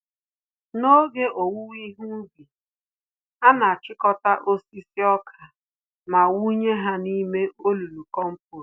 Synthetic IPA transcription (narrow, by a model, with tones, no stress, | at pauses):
no˦ɡe˦ʔo˨wu˦wi˦ɦu˦bi˨ | a˦na˨a˨t͡ʃɪ˦kɔ˦ta˦ʔo˦si˦si˦ɔ˦kʰa˨ | ma˨wu˦ɲe˦ɦa˦ni˦me˦o˦lu˨lu˨kɔ˦m̩˦pʊ˨ɾ